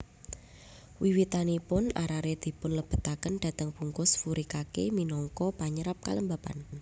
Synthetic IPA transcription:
wiwit̪anipʊnaɾaɾed̪̥i̤pʊnləb̥ə̤t̪akənd̪̥a̤t̪əŋpuŋkʊsfuɾikakḛminɔŋkɔpaɲəɾap̚kaləmbapa̰n

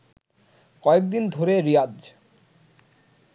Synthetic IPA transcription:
kɔek̚d̪ind̪ʱoɾeɾijad͡ʑ

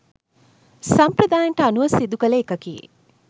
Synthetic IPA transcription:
sɐmpɾɐd̪aːjɐɳʈəɐnuʋɐsid̪ukɐleːkɐkijḛ

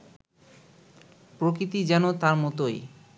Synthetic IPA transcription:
pɾokɾit̪id͡ʑɛnot̪aɾmɔt̪oj

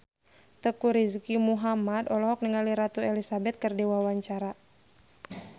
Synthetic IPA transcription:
t̪əkuɾiskimuɦamad̪ɔlɔɦɔk̚niŋaliɾat̪uɛlisabɛt̪̚kərdiwawaɲt͡ʃaɾa

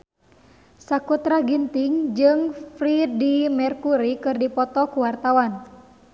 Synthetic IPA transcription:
sakut̪ɾaɡint̪iŋd͡ʒɨŋfɾidimɛrkuɾikɨrdipɔt̪ɔkuwart̪awan

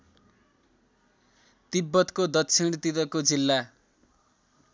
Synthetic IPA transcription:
t̪ibːʌt̪kod̪ʌtːsʰiɽt̪it̪ʌkod͡zilːa

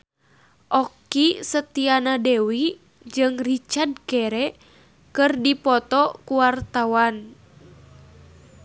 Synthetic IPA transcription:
ʔɔkisət̪ianadewi | d͡ʒɨŋrit͡ʃard̚kɛɾɛ | kɨrdipɔt̪ɔkuwart̪awan

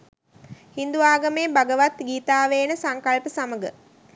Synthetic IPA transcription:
hind̪uʋaːɡəmeːbaɡəʋat̪ɡiːt̪aːʋeːnəsaŋkalpəsaməɡə

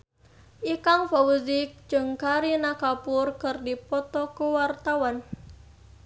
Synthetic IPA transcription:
ʔikaŋfawuzɪk̚d͡ʒɨŋkaɾinakapʊrkɨrdipɔt̪ɔkuwart̪awan

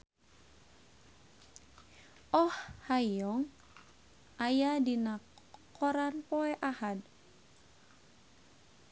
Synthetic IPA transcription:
ɔhhajɔŋ | ʔajadinakʰ | ɔɾanpɔɛʔahad̚

